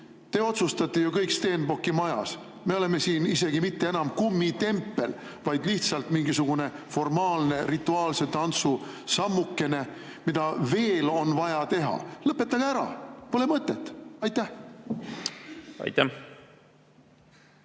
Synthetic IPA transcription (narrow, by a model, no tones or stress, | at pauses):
t̪e̞ːo̞t̪sust̪ɑt̪ːˑejukɤjkst̪e̞ːnbo̞kːˑimɑjɑs | me̞o̞le̞mesiːnise̞ɡimit̪ːe̞e̞nɑmkumːit̪e̞mpːe̞l | vɑjd̪̥liht̪sɑlt̪miŋɡisuɡ̥une̞fo̞rmɑːlne̞rit̪ːˑuɑːlse̞t̪ɑnt̪su | sɑmːukːe̞ne̞ | mid̪̥ɑve̞ːlo̞nvɑjɑt̪e̞ɦɑ̰lɤpːˑet̪ːˑɑɡ̥eæɾɑ̰pole̞mɤt̪ˑːe̞t̪ːɑjt̪ːæh | ɑ̰jt̪ːæ